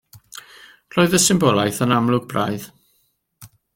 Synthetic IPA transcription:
r̥oːɨðəsɪmbɔlˠajθənamlˠʊɡ̚bra̰jð

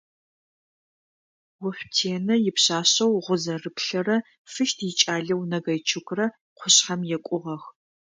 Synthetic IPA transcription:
wʊfʷtʰeːnɐjɪpɕaːɕɐwʁʷʊzɐrɨpɬɐrɐ | fɨʃtʰjɪt͡ʃʼaːɮɐwnɐɣɐjt͡ʃʰɨkʷʰʼrɐ | qʷʰʊɕħɐmjɛkʷʼʊʁɐx

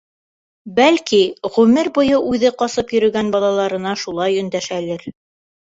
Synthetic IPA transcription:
bælkiʁʉmɘɾbŏjɤʔʉðɘqɑsɤpjɵ̆ɾɵ̆ɡænbɑlˠɑlˠɑɾɤ̆nɑʃulˠɑjɵ̆nd̪æʃælɘɾ

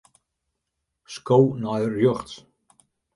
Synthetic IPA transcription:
skownɔjrjøχts

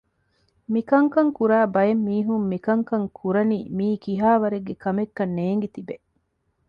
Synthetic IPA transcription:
mikɐŋkɐŋkuɾaːbɐjemːiːɦumːikɐŋkɐŋkʰuɾɐnḭːmiːkiɦaːʋɐɾeɡːekɐmekːɐnːeːŋ̆ɡit̪ibe

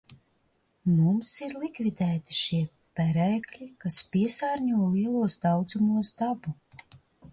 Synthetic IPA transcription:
mumsiɾlˠikvid̪ɛːt̪i̥ʃiɛ | pæɾɛːklʲikaspiɛsaːɾɲuɔliɛlˠuɔsd̪awd̪zumuɔsd̪abu

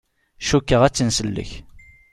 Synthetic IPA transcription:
ʃukːəʁæt͡sːənsəlːə̰ç

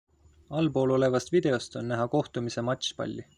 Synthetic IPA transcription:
ɑlbo̞ːlo̞le̞vɑst̪vid̪̥e̞o̞st̪o̞nːæɦɑko̞ht̪umise̞mɑt̪ʲɕpɑ̰lʲːi

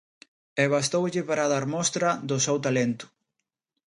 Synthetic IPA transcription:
ɛβ̞ast̪owʎɪpaɾaðaɾmɔst̪ɾɐðʊsewt̪alent̪ʊ̥

